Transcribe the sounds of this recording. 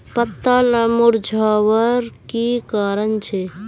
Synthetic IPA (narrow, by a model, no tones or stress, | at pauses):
pət̪ːaləmuɾd͡ʒʱaːwəɾkikaːɾənt͡ʃʰe